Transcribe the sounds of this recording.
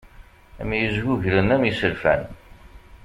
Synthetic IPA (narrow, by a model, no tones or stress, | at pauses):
æ̰mjəzɡuʝɾənæmisəlfæ̰n